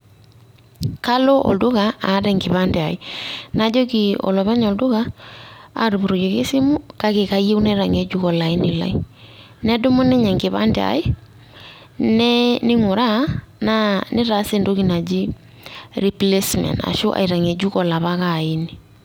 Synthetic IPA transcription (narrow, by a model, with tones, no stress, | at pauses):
ka˦lo˦ʔɔ̰˨ldʊ˦ɣa˨a˨˦ɾɛ˨ŋɡɪ˨βa˦ndɛ˨a˨ɪ˦na˨d͡ʒo˦ki˨ɔ̰˨lɔ˨βɛ˦ɲɔ˨ldʊ˦ɣa˦ | a̰˨ɾu˨bu˨ɾo˨d͡ʒe˨ke˦sɪ˦mʊ˦ka˦ke˨ka˦je˦u˦na˦ɾa˨ŋe˨d͡ʒu˦kɔ˨la˨ɪ˦nɪ˨la̰˦i˦ | nɛ˦dʊ˦mʊ˦nɪ˦ɲɛ˨ŋɡɪ˨βa̰˦nde˨a̰˨ɪ˦ | nɛ˦nɪ˦ŋʊ˨ɾa˦na˦nɪ˦ɾa˨˦sɪ˦˨ndo˦ki˨na˨d͡ʒi˦ | ri˨ple˦smɛ̰˨nda̰˨ʃʊ˦ʔa̰˨jɾa˨ŋe˨d͡ʒu˦kɔ˨la˨βa˦ka˨i˦ni˨